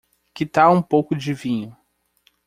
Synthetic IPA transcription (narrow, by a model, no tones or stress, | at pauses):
kɪt̪aũpowkʊd͡ʒɪvĩɲʊ